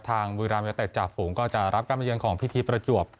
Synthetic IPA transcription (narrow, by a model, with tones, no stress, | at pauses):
t̪ʰaː˧ŋwiː˧ɾaː˧mjaː˧t̪e˨˩t̪̚t͡ɕaː˨˩fuː˩˦ŋkɔː˥˩t͡ɕa˨˩ɾʔa˦˥p̚kaː˧npa˧jɯ˧nkʰɔː˩˦ŋpʰi˦˥t̪ʰiː˧pɾa˧t͡ɕu˨˩əp̚